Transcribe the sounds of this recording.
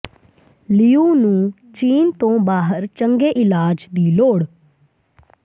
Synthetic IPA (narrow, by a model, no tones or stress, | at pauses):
liːuːnũː | t͡ʃiːnt̪õːbaːɦəɾt͡ʃə̃ŋɡeːʔɪlaːd͡ʒd̪iːloːɽ